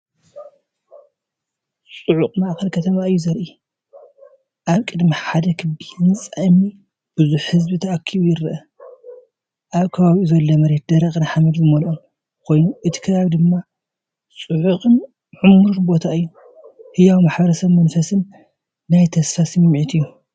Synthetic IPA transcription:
sʼuʕuqʼmaʔkɐlkʰɐt̪ʰɐmaɨjːuzɐɾʔi | ʔaβkʼɨd̪miħad̪ɐkʰɨbiɨnsʼajmi | b̥ɨzuħhɨzbit̪ʰɐakʰːiβujɪɾɐʔɐ | ʔaβkʰɐβaβiuzɐlːomɐɾet̪̚d̪ɐɾɐxʼnɨħamɐd̪zɨmɐlom | kʰo̞jnuʔɨt̪ʰi̥kʰɐβaβid̪ɨmːa | sʼɨʕuqʼɨn | ʕʊmuɾɨɾbo̞t̪ʰaɨjːu | hɨjawmaħbɐɾɐsɐβmɐnfɐsɨnː | ajt̪ʰɐsfasɨmɨmːʕit̪ʰɨjːu

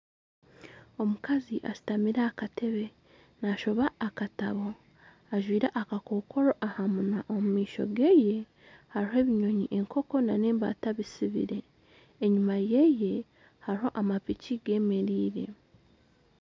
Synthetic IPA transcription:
o̞mukaziʔa̰si̥tamiɾaːkatʰe̞βe̞ | naʃo̞βaːkataβo̞ | aʒwiːɾaʔakako̞ːko̞ɾoʔahamunaʔomumiːʃo̞̰ɡe̞je̞ | haɾiɦe̞ːβiɲo̞ɲiʔe̞ŋkʰo̞ko̞nane̞ːmba̰ːtaβisiβḭɾe̞ː | ɲumaje̞je̞ | haɾiho̞ʔamapiciɡe̞ːme̞ɾiːɾe̞̰

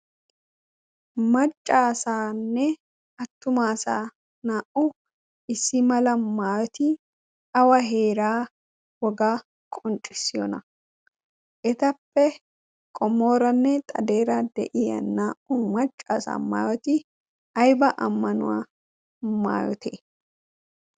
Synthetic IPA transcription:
mɐt͡ʃʼːaːsaːnːɛ | ɐt̪ːʊmaːsa̰ː | naːʔʊ | ʔɪsːɪmɐlɐmaːjɔt̪ɪ | ɐwɐɦe̞ːɾaː | wɔɡaː | kʼɔnt͡ʃʼɪsːɪjɔ̰nɐ | ʔɛt̪ɐpːɛ | kʼɔmːoːɾɐnːɛt̪ʼɐd̪eːɾad̪ɛ̰ʔɪjɐ̰nːaːʔʊmɐt͡ʃʼːa̰ːsa̰ːma̰ːjɔt̪ɪ | ɐjbɐʔɐmːɐnʊ̰wa̰ː | ma̰ːjɔ̰t̪ʰḛː

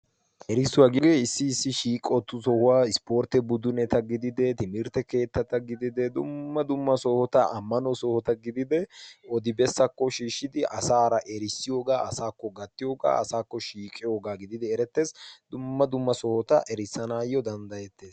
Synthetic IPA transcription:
ʔɛɾɪsːʊwaːɡɪɡeːɪsːɪːsːɪʃiːkʼɔt̪ːʊsɔhʊwaːɪspo̞ːɾt̪ːɛbʊd̪ʊnɛt̪ɐɡɪd̪ɪd̪ɛt̪ɪmɪɾt̪ɛke̞ːt̪ːɐt̪ːɐɡɪd̪ɪd̪ɛd̪ʊ̰mːɐd̪ʊmːɐsɔhɔt̪ɐɐmːɐnɔsɔhɔt̪ɐɡɪd̪ɪd̪ɛɔd̪ɪbɛsːɐkːɔʃiːʃːɪd̪ɪʔɐsaːɾɐʔɛɾɪsːɪjoːɡaːɐsaːkːɔɡɐt̪ːɪjoːɡa̰ːɐsaːkːɔʃiːkʼːɪjo̞ːɡaːɡɪd̪ɪd̪ɛɛɾɛt̪ːe̞ːsd̪ʊmːɐd̪ʊmːɐsɔhɔt̪ɐʔɛɾɪsːɐnaːjːɔd̪ɐnd̪ɐjɛt̪ːe̞ːs

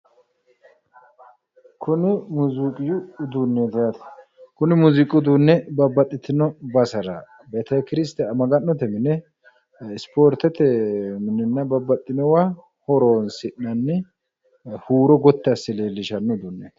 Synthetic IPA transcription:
kʰʊnɪmuzikʼɪjʊːd̪unːeːt̪ɛjɐt̪ | kʊnɪmuzɪkʼʊd̪unːɛbɐbːɐt̪ʼːɪt̪ɪnɔbɐsɐɾɐ | bɛt̪ɐkɾɪs̬t̪ɛɐmɐɡɐnːɔt̪ɛmɪnɛ | ɪspoːɾt̪ɛt̪ɛmɪnɪnːɐbɐbːɐt̪ʼːɪnɛwa | hɔɾoːnsɪʔnɐnːɛ | huːɾɔɡɔt̪ːɛɐsːɪle̞ːlːɪʃɐnːɔʊd̪unːet̪

